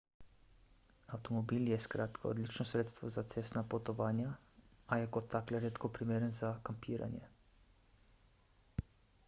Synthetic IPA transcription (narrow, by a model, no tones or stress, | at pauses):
awt̪ɔmɔbiljɛskɾaːt̪kʰa̰ɔ̰d̪lit͡ʃnɔsɾeːt̪st̪ʋɔzat̪sest̪napɔt̪ɔʋaːnjaajɛkɔt̪ːaklɛɾeːt̪kɔpɾimeːɾənzakampiːɾa̰njɛ̰